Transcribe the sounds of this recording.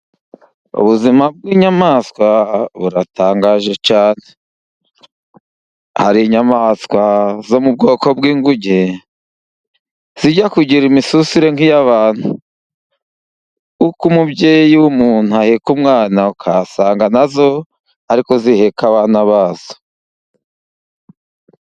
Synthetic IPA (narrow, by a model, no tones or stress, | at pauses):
ṵβuzimab̚ɡiːɲamaːskwaβuɾataːŋɡaːʒe̞t͡ʃaːne | haɾiɲamaskwazo̞mub̚ɡo̞ːko̞b̚ɡiːŋɡuɟe | z̥iɟakuɟiɾimisusiɾe̞ŋijaβaːn̥hu | ukumubɟeːjiwumuːn̥huahekumŋaːnaukʰasaːŋɡanazo̞ | aɾiko̞zihe̞kaβaːnaβaːz̥o̥